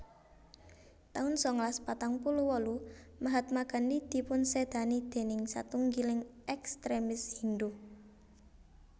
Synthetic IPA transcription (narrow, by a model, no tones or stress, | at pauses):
t̪aʊnsɔŋlaspat̪aŋpuluwɔlumaɦat̪̚maɡa̤ndid̪̥i̤pʊnsed̪̥a̤nid̪̥e̤nɪŋsa̰t̪uŋɡilɪŋɛkst̪ɾemɪshind̪u